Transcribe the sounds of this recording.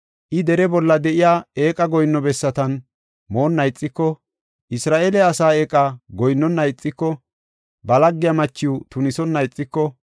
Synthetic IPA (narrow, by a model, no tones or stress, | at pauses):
ʔɪd̪ɛɾɛbɔlːɐd̪ɛʔɪjaːeːkʼɐɡɔjnːɔbɛsːɐt̪ɐn | mo̞ːnːɐjt͡sʼːɪkːɔ | ʔɪsɾaːʔeːlɛɐsaːeːkʼaɡɔjnːɔnːɐjt͡sʼːɪkːɔ | bɐlɐɡːɪjɐmɐt͡ʃːɪut̪ʊnɪsɔnːɐjt͡sʼːɪkːɔ